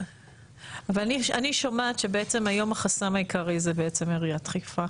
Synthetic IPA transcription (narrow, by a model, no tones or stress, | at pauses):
avalanianiʃomaːt̪ʃebeet͡se̞majo̞maχasamaikaʁizebeet͡semeʁiat̪χijfa